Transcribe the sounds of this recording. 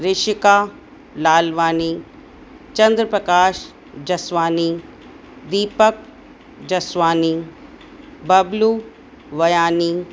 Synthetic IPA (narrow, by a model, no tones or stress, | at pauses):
ɾɪʃɪkaː | laːlʋaːniː | t͡ʃɐnd̪ɾəpɾɐkaːʃ | d͡ʒɐsʋaːniː | d̪iːpək̚ | d͡ʒɐsʋaːni | bɐblu | ʋɐjaːniː